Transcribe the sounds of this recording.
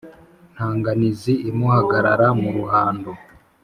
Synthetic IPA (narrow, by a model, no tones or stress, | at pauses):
n̥haːŋɡaniziːmuhaɡaɾaɾamuɾuhaːndo